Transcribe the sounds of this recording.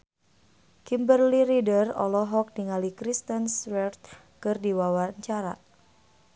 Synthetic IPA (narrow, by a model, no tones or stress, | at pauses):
kimbərliɾidərɔ̰lɔɦɔk̚diŋalikɾist̪ənswɛrt̪̚ | kɨrdiwawaɲt͡ʃaɾa̰